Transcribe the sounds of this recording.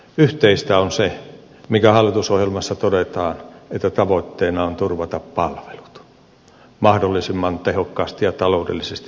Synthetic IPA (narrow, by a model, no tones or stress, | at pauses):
yht̪eist̪æonse | mikæhɑlːˑit̪usohjelmɑsːɑt̪odet̪ɑːnet̪ːæt̪ɑʋot̪ːeːnɑont̪urʋɑt̪ɑppɑlʋe̥lu̥t̪ | mɑhdolːisimːɑnt̪ehokːɑːst̪ijjɑt̪ɑloudḛlːisest̪i